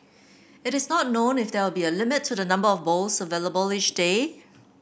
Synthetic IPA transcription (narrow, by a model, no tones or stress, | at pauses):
ɪɾɪsnɔt̚nõnɪfdɛwɪlˠbiəlɪmɪtʰːudənʌ̃mbəɔfbolsəveləbəlit͡ʃde